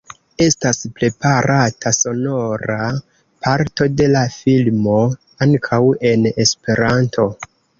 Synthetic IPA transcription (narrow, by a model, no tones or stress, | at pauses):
e̞staspɾe̞paɾatʰaso̞no̞ɾa | pʰaɾto̞de̞lafilmo̞ | aŋkʰawe̞ne̞spe̞ɾantʰo̞